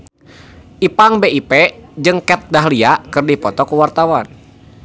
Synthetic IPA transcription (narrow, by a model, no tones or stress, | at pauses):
ʔipaŋbeipɛd͡ʒɨŋkɛt̪̚daɦliakɨrdipɔt̪ɔkuwart̪awan